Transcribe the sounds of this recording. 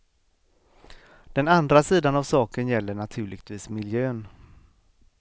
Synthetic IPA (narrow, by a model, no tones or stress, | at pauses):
d̪̥ɛnand̪ɾasiːd̪anavsɑːkənjɛlːəɳat̪ʰʉ̟ːɭɪ̰ɡt̪ʰviːsmɪljøːn